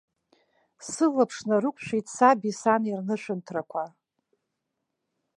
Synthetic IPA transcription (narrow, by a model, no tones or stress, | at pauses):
sɨlapʰʂnarɨkʷʰʼʃᶣʷitʰʼsabisanirnɨʃʷᶣɨntʰrakʷʰa